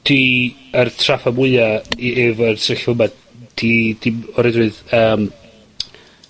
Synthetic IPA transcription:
d̥iərtʰrafamʊɨaievərsɪɬʊmad | d̥ʰid̥imɔɾɛdɨðəːm

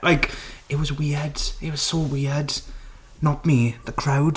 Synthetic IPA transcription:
lʔaɪkɪt̚wɒzwɪd̥ɪt̚wɒz̥sowɪəd | nət̚miːðəkʰɹ̥aʊd

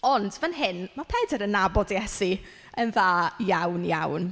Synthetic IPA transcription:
ɔndvənɦɪnmapʰɛdəɾənːabɔdjɛsi | ənðaːjawnjawn

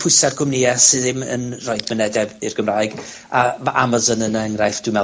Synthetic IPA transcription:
pʰʊɨsar̥kʰʊmnɪasɨðɪmə̰nrɔɨðmənɛdɛbɪrɡ̥əmraːɨɡ | amaʔamazɔnənəəŋrajfd̥ʊmɛ

